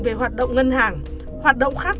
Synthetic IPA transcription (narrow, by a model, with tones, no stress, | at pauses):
ve˨˩hwaː˨˩t̚ɗo̰˧˨wŋ͡mŋə˧nɦaː˨˩ŋ | hwaː˨˩t̚ɗo̰˧˨wŋ͡mxaː˦˥k̚